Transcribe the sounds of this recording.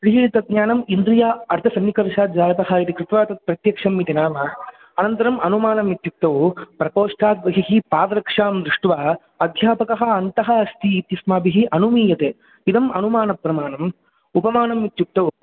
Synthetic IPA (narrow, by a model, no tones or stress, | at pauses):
pɾiɦiːit̪ɐd̪̚ɲaːnɐmind̪ɾijaːɐɾt̪ʰɐsɐnːikɐɾʃaːd̪d͡ʒaːɾɐt̪ɐɦɐit̪ikɾɪt̪ʋaːt̪ɐt̪̚pɾɐt̪jɐkʂɐmːit̪inaːmɐ | ɐnɐnt̪ɐɾɐmɐnumaːnɐmit̪juk̚t̪ɐwpɾɐpoːʂʈʰaːt̪̚ʋɐɦiɦipaːʋɐɾɐkʂaːmd̪ɾɪʂʈʋaː | ɐd̪ʱjaːpɐkɐɦɐ̆ɐnt̪ɐɦɐ̆ɐst̪ʰiːt̪jɐsmaːbiɦiʔɐnumiːjɐt̪eː | id̪ɐmɐnumaːnɐpɾɐmaːnɐm | upɐmaːnɐmit̪juk̚t̪ɐw